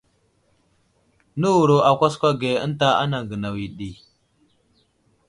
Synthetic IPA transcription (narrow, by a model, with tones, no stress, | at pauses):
nu˦wu˨ɾo˨a˨kʷa˦s̬kʷa˦ɡe˨ə̰˦nta˦a̰˦na˨ŋɡə˨na˨wi˨ɗi˨